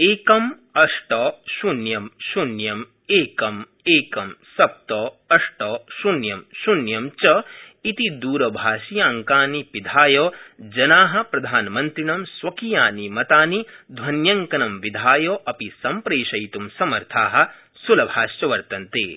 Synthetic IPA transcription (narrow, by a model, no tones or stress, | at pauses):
eːkɐm | ɐʂʈɐːʃunjɐmʃunjɐm | eːkɐm | eːkɐmsɐp̚t̪ɔː | ɐʂʈɔːʃunjɐmʃunjɐmt͡ʃɐit̪id̪uːɾɐbʱaːʃijaːŋkaːnipid̪ʱaːjoːd͡ʒɐnaːɦɐ̆pɾɐd̪ʱaːnɐmɐnt̪ɾiɳɐmsʋɐkijaːnimɐt̪aːnid̪ʱwɐnjɐŋkɐnɐmʋid̪ʱaːjoːʔɐpisɐmpɾeːʃɐjt̪umsɐmɐɾt̪ʰaːɦɐ̆ | sulɐbʱaːʃjɐʋɐɾt̪ɐnt̪ḛː